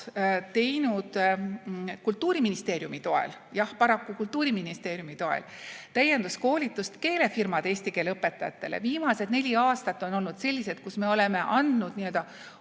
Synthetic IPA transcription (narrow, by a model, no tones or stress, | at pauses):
t̪e̞jnud̪̥ | kult̪ːuːɾiminist̪e̞ːɾjumit̪o̞ḛl | jɑhpɑɾɑkːukult̪ːˑuːɾiminist̪eːɾjumit̪o̞ḛl | t̪æje̞nd̪usko̞ːlʲit̪ːˑust̪ke̞ːle̞firmɑd̪e̞ːsʲt̪ike̞ːleɤpːˑe̞t̪ːˑɑjɑ̰t̪ːˑe̞̰lḛviːmɑse̞d̪̥ne̞lʲiɑːst̪ɑt̪ːˑo̞no̞lnud̪̥se̞lʲːise̞d̪̥̚kusme̞o̞le̞me̞ʔɑnd̪̥nud̪niø̞ld̪ɑ